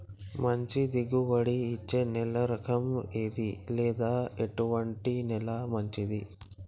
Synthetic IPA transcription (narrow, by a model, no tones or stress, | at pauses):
mɐɲt͡ʃid̪iɡuʋɐɽiːt͡ʃːenɛlɐɾɐkʰɐmeːd̪ilɛːd̪aːeʈuʋɐɳʈinɛlɐmɐɲt͡ʃid̪i